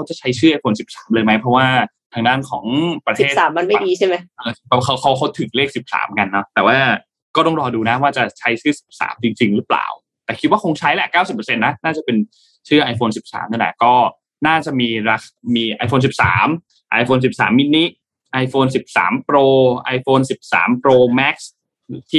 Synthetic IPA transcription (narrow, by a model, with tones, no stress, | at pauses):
kʰa˦˥wt͡ɕa˨˩t͡ɕʰa˦˥jt͡ɕʰɯː˥˩ʔa˧jfoː˧nsi˨˩p̚saː˩˦mlɤː˧jma˦˥jpʰɾɔ˦˥waː˥˩ | t̪ʰa˧ŋdaː˥˩nkʰɔ̰ː˩˦ŋpɾa˧t̪eː˥˩aː˩˦mːa˧nma˥˩˧diː˧a˥˩jma˦˥jʔɤː˧bɛː˨˩p̚kʰa˦˥wkʰa˦˥wkʰa˦˥wt̪ʰɯ˨˩˦ŋleː˥˩k̚si˨˩p̚sa̰ː˩˦mka˧nːɔ˦˥t̪ɛː˨˩waː˥˩ | kɔː˥˩t̪ɔ˥˩ŋɾɔː˧duː˧na˦˥waː˥˩t͡ɕa˨˩t͡ɕʰa˦˥jt͡ɕʰɯː˥˩si̥˨˩p̚sa̰ː˩˦mt͡ɕi˧ŋt͡ɕi˧ŋɾɯ˦˥pla̰ː˨˩w | t̪ɛː˨˩kʰi˦t̪̚waː˥˩kʰo˧ŋt͡ɕʰa˦˥jlɛ˨˩kaː˥˩wsi˨˩p̚ːə˧se˧nːa˦˥naː˥˩t͡ɕa˨˩pe˧n | t͡ɕʰɯː˥˩ʔa˧jfoː˧nsi˨˩p̚sa̰ː˩˦mna˧˥˩lɛ̰˧˥˩kɔː˥˩ | naː˥˩t͡ɕa˨˩ʔmiː˧ɾa˧xamiː˧ʔa˧jfoː˧ns̬i˨˩p̚sa̰ː˩˦m | ʔa˧jfoː˧nsi˨˩p̚saː˩˦mːi˦˥nːi˦˥ | ʔa˧jfoː˧ns̬i˨˩p̚sa̰ː˩˦mpɾoː˧ʔa˧jfoː˧nsi˨˩p̚sa̰ː˩˦mpɾoː˧mɛ˦˥k̚s | t̪ʰiː˥˩